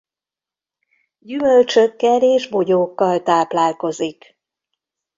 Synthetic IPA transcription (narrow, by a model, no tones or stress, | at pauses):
ɟymø̞lt͡ʃø̞kːɛleːʒbo̞ɟoːkːɒlt̪aːplaːlko̞zik